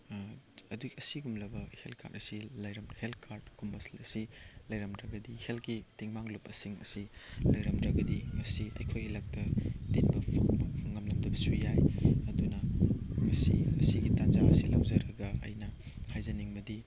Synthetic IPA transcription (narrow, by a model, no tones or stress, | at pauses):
ɐduɐsiɡumlɐbɐhelkʰa̰ɾɐsilɐjɾɐmhelkʰaɾd̚kumbɐslɐsilɐjɾɐmdɾɐɡɐdihelkitiŋmaŋlupɐsiŋɐ̰silɐjɾɐmdɾɐɡɐdiŋɐsiɐjkʰojilak̚tɐdinbɐpʰŋbɐpʰɐŋːɐmlɐmdɐbɐsujajɐdunɐŋɐsiɐsiɡitanzaɐ̰silɐwzɐɾɐɡɐɐ̰jnɐ | hajzɐniŋbɐdi